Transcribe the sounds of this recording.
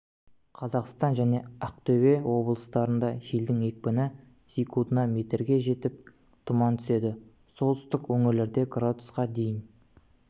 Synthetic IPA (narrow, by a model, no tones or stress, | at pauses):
qʰɑzɑqst̪ɑnʒæne̞ɑq̚t̪ʰɵwe̞wo̞blˠəst̪ɑɾənd̪ɑʒeld̪ɪŋe̞k̚pɪnɪ | sikud̪ənɑme̞t̪eɾɡʲe̞ʒe̞t̪ɪp̚ | t̪ʰʊmɑnt̪ʰʏ̥se̞d̪ɪ | so̞lˠt̪ʏ̥st̪ɪkwɵŋɪɾle̞ɾd̪e̞ɡrad̪ʊsqɑd̪e̞jɪn